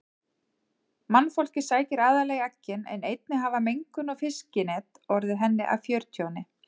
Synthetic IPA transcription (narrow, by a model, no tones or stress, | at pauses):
manːfowl̥cɪ̥saːjcɪɾaːðaleɣacːɪnɛ̰nejt̪̚nɪɦavamejŋkʏnɔfɪscɪnɛːt̪ɔɾðɪɦɛnːɪ̰ʔa̰wfjœɾ̥t̪ʰjownɪ